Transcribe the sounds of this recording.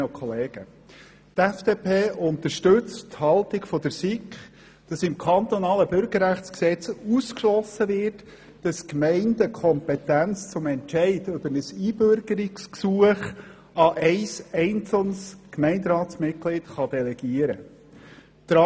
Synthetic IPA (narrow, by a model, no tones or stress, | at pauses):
kʰɔleːɡ̥ə | tɛfd̥eːpʰeːʔʊnt̪əʃtɵt͡stthɑltɪɡfɔd̥əɾsikχ | d̥ɑsɪmkʰɑnt̪ɔnɑːləbʏɾɡ̥əɾːæχt͡sksɛt͡suskʃlɔsəvɪrt | d̥ɑskmɛɪndəkʰχɔmpɛtænt͡st͡sʊmɛntt͡ʃɛɪdʏb̥əɾnəsiːbøɾɡ̥əɾɪksksuəχ | ɑʔɛɪsɛɪnt͡sl̩nskmɛɪndɾɑːtsmɪt̚klɪtχɑd̥̪ɛlɛɡ̥iəɾə̰ | d̪̥ɾɑ